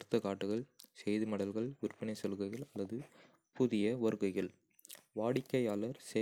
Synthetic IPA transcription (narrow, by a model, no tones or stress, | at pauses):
ɾɯt̪ːɐkaːʈːɯɣɐɭsɛjðɯmɐɽɐlɣɐɭʋɪrpːɪnɐɪsɐlɯɣɐɪɣɐɭɐlːɐðɯ | pʊðɪjɐʋɐɾɯɣɐɪɣɐɭ | ʋaːɽɪkːɐjaːlɐɾse